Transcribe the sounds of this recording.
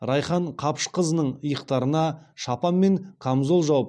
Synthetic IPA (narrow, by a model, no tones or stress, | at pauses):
ɾɑjχɑɴqʰɑpʃqʰəzənəɴəjəqt̪ɑɾənɑʃɑpɑnme̞ŋkʰamzolˠʒɑwəp